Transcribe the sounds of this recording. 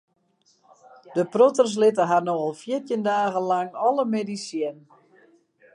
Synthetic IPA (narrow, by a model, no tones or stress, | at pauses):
d̥əprotərs̬lɪtəɦanoɔlˠfjɪtjəndaːɣənlaŋɔləmedisjɛn